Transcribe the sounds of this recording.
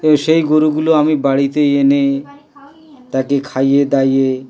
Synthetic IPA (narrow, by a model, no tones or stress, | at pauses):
eʃejɡoɾuɡuloamibaɽit̪eene | t̪akekʰajed̪aje